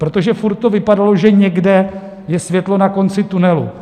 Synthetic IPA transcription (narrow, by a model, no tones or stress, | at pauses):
pɾo̞t̪oʒɛfuɾt̪̚ːovɪpadalo̞ʒɛɲɛɡdɛ | jɛsvjɛt̪lo̞nako̞nt͡sɪt̪unɛlṵ